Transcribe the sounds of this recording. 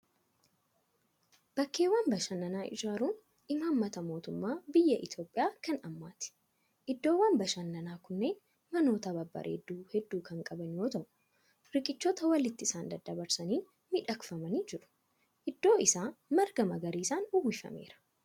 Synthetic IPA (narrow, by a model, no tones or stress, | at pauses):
b̥ɐkːe̞ːwaːnbɐʃɐnːɐnaːʔɪ̰d͡ʒaːɾuːn | ʔɪmaːmːɐt̪ɐmo̞ːt̪ʊmːaːbɪjːɐʔɪt̪jo̞ːpʼɪjaːkɐnɐmːaːt̪ɪ̥ | ʔɪd̪ːo̞ːwːaːnbɐʃɐnːɐnaːkʊnːe̞ːn | mɐno̞ːt̪ɐbɐbːɐ̰ɾʔḛːd̪ːuːhɛd̪ːuːkɐŋkʼɐbɐnjoːt̪ɐʔʊ | ɾɪkʼɪt͡ʃːɔt̪ɐwɐlɪt̪ːɪɪsaːnd̪ɐd̪ːɐbɐɾsɐniːn | mɪᶑɐkfɐmɐniːd͡ʒɪɾʊ̥ | ʔɪd̪ːo̞ːɪsaːmɐɾɡɐmɐɡɐɾiːsaːnʊwːɪfɐ̰me̞̰ːɾɐ̥